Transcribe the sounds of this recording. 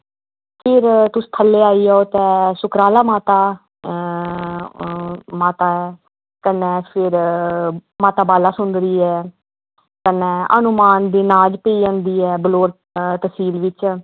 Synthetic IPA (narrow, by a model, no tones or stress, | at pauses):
pʰɪɾt̪ʊst̪ʰəlːeːaːiːaoːt̪ɛ̃ːsʊkɾaːlaːmaːt̪aː | maːt̪aːɛː | kənɛ̃ːpʰɪɾ | maːt̪aːbaːlaːsʊnd̪ɾiːɛː | kənɛ̃ːə̰nʊmaːnd̪iːnaːd͡ʒpeiːə̃ːnd̪iːɛːbəloːɽ | t̪əsiːlʋɪt͡ʃ